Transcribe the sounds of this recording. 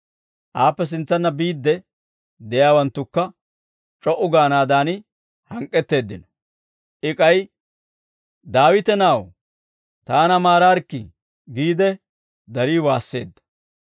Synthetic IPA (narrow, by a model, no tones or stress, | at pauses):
ʔaːpːɛs̬ɪnt͡sːɐnːɐbiːd̪ːɛ | d̪ɛjaːwɐnt̪ːʊkːɐ | t͡ʃʼɔʔʊɡaːnaːd̪aːnɪ | hɐŋkʼːɛt̪ːe̞ːd̪ːɪnɔ | ʔɪkʼɐj | d̪aːwɪt̪ɛnaːw | t̪aːnɐmaːɾaːɾkːɪ | ɡiːd̪ɛ | d̪ɐɾiːwaːsːe̞̰ːd̪ːɐ̥